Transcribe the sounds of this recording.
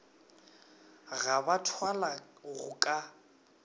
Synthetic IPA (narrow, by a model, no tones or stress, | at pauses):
ɣabatʰwalaɣʊkʼa